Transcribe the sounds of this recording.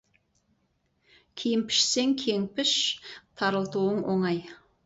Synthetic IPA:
kʲʰejɪmpʰɪ̥ʃse̞ŋkʲʰe̞ŋpɪʃt̪ʰɑɾəlˠt̪uwəɴwo̞ɴɑj

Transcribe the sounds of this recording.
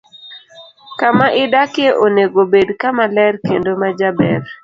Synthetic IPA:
kamaʔɪdakɪeʔoneɡobedkamalɛrkendomad͡ʒabɛr

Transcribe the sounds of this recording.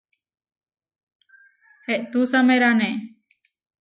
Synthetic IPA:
hɛʔt̪usameɾanɛ

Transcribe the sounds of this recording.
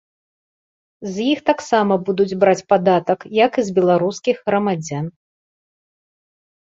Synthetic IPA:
zjixt̪aksamɐbud̪ud͡zʲbɾat͡sʲpad̪at̪ɐkjɐkɨzbʲɛlˠaɾuskʲiɣɣɾɐmad͡zʲan

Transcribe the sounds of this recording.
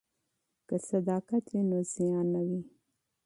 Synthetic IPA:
kəsad̪ɑkat̪winoz̥ijɑnːawi

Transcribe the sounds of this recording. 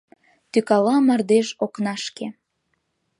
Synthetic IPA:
t̪ykɑlɑmɑrd̪eʒoknɑʃke

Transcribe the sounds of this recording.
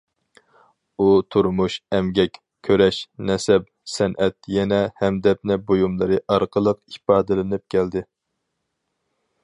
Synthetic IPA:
ut̪ʰuɾmuʃɛmɡʲɛkʲ | kʲʰøɾɛʃnɛsɛp | sɛnʔɛt̪̚jɛnɛhɛmd̪ɛp̚nɛbojumlˠɨɾɨʔɑɾqʰəlˠəqipɑːd̪ɨlɨnɪp̚kʲʰɛld̪ɪ

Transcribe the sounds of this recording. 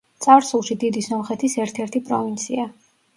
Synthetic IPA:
t̪sʼaɾsulˠʃid̪id̪isɔmχɛt̪ʰisɛɾt̪ʰɛɾt̪ʰipʼɾɔvint̪sʰia

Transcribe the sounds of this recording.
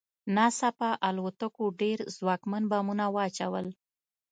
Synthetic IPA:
nɑsapaʔalwot̪akoɖeɾzwɑkmanbɑmunawəat͡ʃawəl

